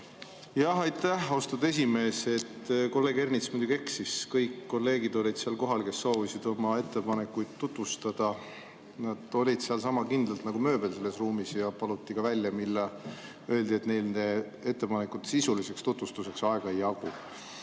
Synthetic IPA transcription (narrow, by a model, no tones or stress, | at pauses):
jɑhɑjt̪ːæhost̪ud̪e̞s̬ʲime̞ːse̞t̪ːko̞lːe̞ːɡe̞rnit̪smujd̪̥ʲuɡie̞ksiskɤjkːo̞lːe̞ːɡid̪o̞lʲid̪̥seɑlko̞ɦɑlke̞sːo̞ːvisid̪̥o̞mɑe̞t̪ːe̞pɑne̞kːujd̪̥t̪ːut̪vust̪ɑd̪̥ɑ | nɑd̪̥o̞lʲid̪̥seɑlsɑmɑkind̪lɑlt̪nɑɡ̥umø̞ːbe̞lse̞lːe̞sruːmisjɑpɑlut̪ːˑikɑvælʲjɑmilːɑ | ø̞ld̪ie̞t̪ne̞jlne | e̞t̪ːe̞pɑne̞kut̪sisulise̞kst̪ut̪vust̪use̞ksɑeɡ̥ɑejɑku